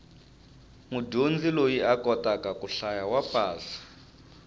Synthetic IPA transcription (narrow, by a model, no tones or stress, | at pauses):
ŋudond͡zilojiakɔtakakuɬajawapʼaːsḁ